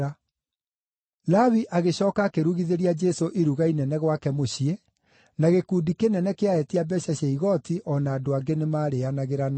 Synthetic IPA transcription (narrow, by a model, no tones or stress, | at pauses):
a | lawiʔaɣeɕɔːkakeɾuɣiðeɾiad͡ʒɛsoʔiɾuɣainɛnɛɣwakɛmoɕie | naɣekuːdikenɛnɛkeaɛtiabɛɕaɕɛiɣɔtiʔɔnaːdoaɡenemaːɾeanaɣeɾan